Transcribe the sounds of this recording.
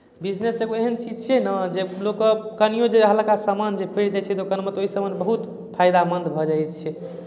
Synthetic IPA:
bid͡ʒneseɡoeɦənt͡ʃid͡ʒt͡ʃʰɛnəd͡ʒelokkənijõd͡ʒeɦəlkasamand͡ʒepʰeɾd͡ʒajt͡ʃʰɛd̪okənmet̪ɔoisəbənbəɦut̪ | pʰajd̪amənd̪bʱɔd͡ʒajt͡ʃʰɛ

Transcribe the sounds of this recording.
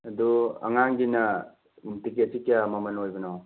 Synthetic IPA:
ɐduɐ̰ŋaŋɡinɐ | umtiket̚sikijamɐmɐnojbɐnow

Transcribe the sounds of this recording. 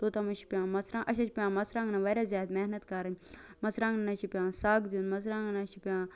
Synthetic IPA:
t̪ot̪ɐmɐʃi̥pjãːmɐsɾãŋʔɐʃɐt͡ʃʰipʲjãːmɐsɾãːŋnɐʋɐɾaːzjaːt̪mɛhnɐt̪kɐɾɐɲmɐsɾãːŋnnɐʃʰipʲjãːsaːɡd̪junmɐsɾãːŋɡnɐʃipʲjãː

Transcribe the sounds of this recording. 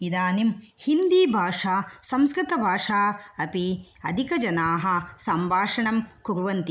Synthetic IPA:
id̪aːnim | hind̪iːbʱaːʂaːsɐmskɾɪt̪ɐbʱaːʂaːɐpi | ɐd̪ʱikɐd͡ʒɐnaːɦɐ̆sɐmbʱaːʂɐɳɐmkuɾuʋɐnt̪i

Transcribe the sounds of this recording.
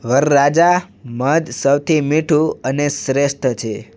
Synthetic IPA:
ʋəɾːad͡ʒa | məd̪səwt̪ʰimiʈʰũənesɾesʈ̪ʰt͡ʃʰe

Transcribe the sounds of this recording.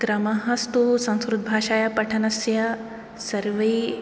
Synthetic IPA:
ɡɾɐmɐɦɐst̪usɐ̃ñskɾud̪̚bʱaːʃaːjɐpɐʈʰɐnɐsjɐ | sɐɾʋɐi

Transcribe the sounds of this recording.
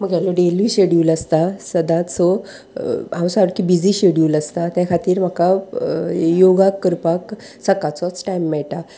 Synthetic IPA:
m̤əɡjaloɖeliɕeɽuːləst̪asəd̪ʱat͡sɔ | awsaɽkibid͡ziɕeɽjiuləst̪at̪jãkʰat̪iːɾm̤əka | joɡakːəɾpaksəkat͡sɔt͡sʈajmːɛɭʈa

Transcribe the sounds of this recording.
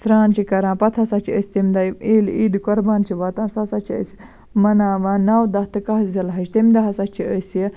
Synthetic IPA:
sɾaːnt͡ʃʰikɐɾãːpɐt̪ʰɐsɐt͡ʃʰiəsʲt̪imd̪ɐjʔiːliːd̪ukɔɾbaːnt͡ʃʰiʋɐt̪ãːsɐsɐt͡ʃʰiə̰s | mɐnaːʋãːnɐwd̪ɐht̪ɨkɐɦzɐlɦɐt͡ʃt̪imd̪ɐɦɐsɐt͡ʃʰiəsijə

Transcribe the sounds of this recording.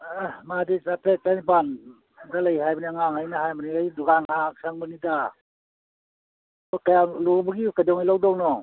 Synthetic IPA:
ahmadisapetanban | dalajɦajbaniŋaŋhajnaɦajbaniajduɡaŋasaŋbɯnida | ɔkajalubaɡikajdɔŋilɔwdɔwnɔ

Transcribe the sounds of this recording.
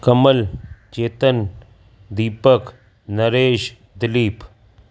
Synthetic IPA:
kəməlt͡ʃeːt̪ən | d̪iːpək | nɐɾeːʃ | d̪ɪliːp

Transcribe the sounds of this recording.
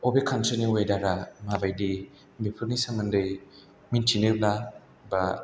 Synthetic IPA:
obekʰantʰiniwajdaɾamabajdi | mepʰɯlnisamɯndɯj | mintʰinɯbla | ba

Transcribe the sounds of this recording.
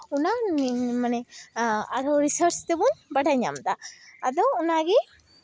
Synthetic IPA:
unamanɛ | a̰ɾɔɾisəɾst̪ɛbunbɐɖʱaɲa̰md̪aːd̪ɔunaɡɛ

